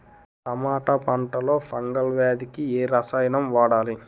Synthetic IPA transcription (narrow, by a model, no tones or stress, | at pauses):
t̪ɐmaːʈɐpɐɳʈɐlo̞ːfʰɐŋɡɐlʋaːd̪ikieːɾɐsaːjnɐmʋaːɽaːli